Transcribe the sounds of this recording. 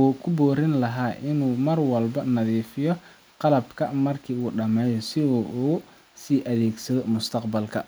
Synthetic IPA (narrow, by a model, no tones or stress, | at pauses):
ɔːkʰʊbuːɾɪnlɐɦaːʔɪnuːmɐrwɐlbɐnɐðiːfɪjɔ | qɑlɐbkʰɐmɐrkʰiːuːɖɐmɛːjɔsɪɔʔuː | siːʔɐðeːɡsɐðɔmʊst̪ʰɐqbɐlkʰɐ̰